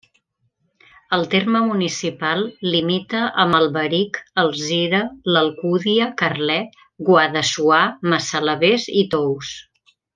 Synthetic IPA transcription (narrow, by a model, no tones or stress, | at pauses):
əlˠt̪erməmunisipalˠːimit̪əʔəməlˠβəɾikəlˠziɾələlˠkuðiəkərlɛt̪ | ɡwaðəsuaməsələβezit̪ows